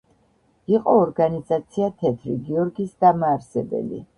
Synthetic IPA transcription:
iqʼɔːɾɡanizat̪sʰiat̪ʰɛt̪ʰɾḭɡiɔɾɡisd̪amaːɾsɛbɛ̰lḭ

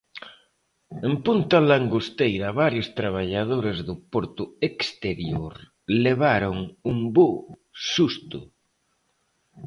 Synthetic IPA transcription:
empunt̪alaŋɡost̪ejɾɐβaɾjʊst̪ɾaβ̞aʎaðoɾezðʊpoɾt̪ʊekst̪eɾjoɾ | leβaɾʊŋumbuʃust̪ʊ̰

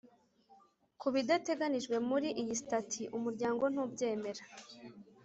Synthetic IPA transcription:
kuβidate̞ɡaniʒɡwe̞muɾiʔijisitatʰiʔumuɾɟaːŋɡo̞n̥uːbɟe̞ːme̞ɾa

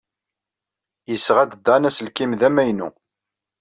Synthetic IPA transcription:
jəsːʁæd̪əd̪ɑnæsəlkimðæmæjnṵ

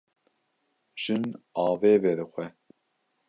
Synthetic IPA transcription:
ʒ̥ɨnɑːveːvɛɾɨxʷɛ

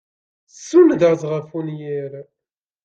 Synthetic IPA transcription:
sund̪azʁəfunjiɾ

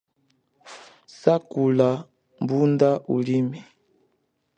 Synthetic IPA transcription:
sakula | mbundaʔulimi

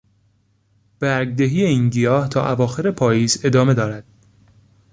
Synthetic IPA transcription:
b̥æɾɡ̚d̪eɦiːeinɟijɒːht̪ʰɒ̰ːʔævɒːxe̞ɾe̞pʰɒːjiːze̞d̪ɒːme̞d̪ɒːɾæd̪̥

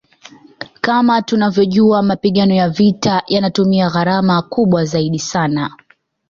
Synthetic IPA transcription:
kamatunavjɔʄuamapiɠanɔjavitajanatumiaɣaɾamakuɓwazaiɗisana

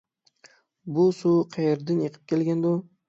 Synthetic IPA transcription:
bʊsuqʰɑjeɾd̪ɪnjeqʰɨ̥p̚kʲʰelɡʲand̪ʊ

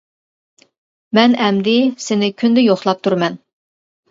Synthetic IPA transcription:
mɛnɛmd̪ɪsɪnɪkʲʰynd̪ɪjoχlˠɑp̚t̪ʰuɾmɛn

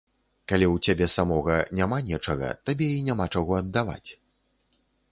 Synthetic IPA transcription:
kalʲiwt͡sʲabʲɛsamɔɣɐnʲamanʲɛt͡ʂɐɣɐ̰t̪abʲɛinʲamat͡ʂaɣɔɐd̪ːava̰t͡sʲ

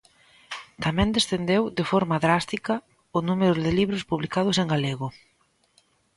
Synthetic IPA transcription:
t̪amɛ̃nd̪esθend̪ewðɪfɔɾmɐðɾast̪ikɐ | ʊnumeɾʊðɪliβɾʊspuβlikaðʊseŋɡaleɣʊ

